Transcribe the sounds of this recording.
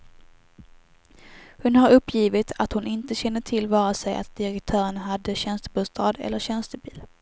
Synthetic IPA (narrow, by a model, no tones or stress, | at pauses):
hʊnhaɾɵpːjiːvɪt̪ʰat̪hʊnɪnt̪əɕɛnːəʈ̪ʰɪlːvɑːɾasɛjʔa̰t̪̚d̪ɪɾɛkt̪ʰœːɾənɦad̪ːəɕɛnst̪əbuːst̪ʰɑːd̪ɛ̰lːəɕɛnst̪əbiːl